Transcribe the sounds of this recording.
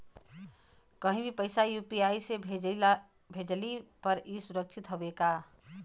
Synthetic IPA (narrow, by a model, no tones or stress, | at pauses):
kəɦĩbʱipəɪsajuːpiaːise | bʱed͡ʒlipəɾisʊɾəkʃʰɪt̪ɦobeːkaː